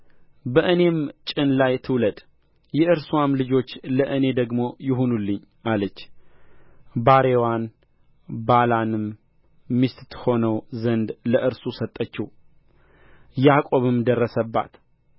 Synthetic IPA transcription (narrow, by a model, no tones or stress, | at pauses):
bəʔɨne̞mt͡ʃʼɪnlajt̪ʰɨwləd̪ʼ | jɛʔɨɾsuwamlɨd͡ʒo̞t͡ʃːləʔɨne̞d̪əɡmo̞jɪɦunulːɨɲ | ʔalət͡ʃː | baɾe̞wan | balanɨmː | ist̪t̪ho̞nəwzənd̪ləʔɨɾsusət̪ʼːət͡ʃːiw | jakʼo̞βɨmd̪ərːəsəbːa̰t̪